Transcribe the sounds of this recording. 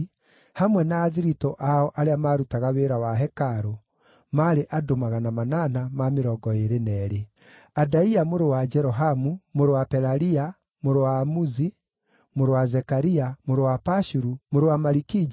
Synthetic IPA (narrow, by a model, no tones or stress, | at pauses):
hamwɛnaːðiɾitɔʔaɔʔaɾeamaːɾutaɣaweɾawaɦɛkaɾo | maɾeʔadomaɣanamananamameɾɔɡɔeɾenɛːɾe | adaiamoɾewad͡ʒɛɾɔɦamumoɾewapɛɾaɾia | moɾowaːmuzi | moɾowazɛkaɾiamoɾowapaʃuɾumoɾewamaɾikid͡ʒ